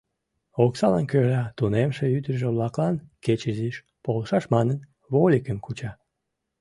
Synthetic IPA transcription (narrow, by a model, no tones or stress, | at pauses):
oksɑlɑnkølɑt̪unemʃeyd̪əʒeβlɑklɑnket͡ɕəziʃ | polʃɑʃmɑnən | βolʲikəmkut͡ɕɑ